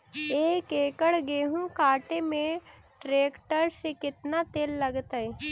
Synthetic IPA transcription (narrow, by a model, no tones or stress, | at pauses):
eːkeːkəɽɡeːɦũkaːʈemẽʈɾeːkʈəɾsekɪt̪nat̪eːlːɐɡt̪əi